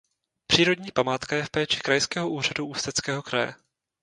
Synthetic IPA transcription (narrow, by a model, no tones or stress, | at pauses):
pr̝̥iːɾo̞dɲiːpamaːt̪kajɛfpɛːt͡ʃɪ̥kɾajskɛːɦoʔuːr̝aduʔuːst̪ɛt͡skɛːɦo̞kɾajɛ̰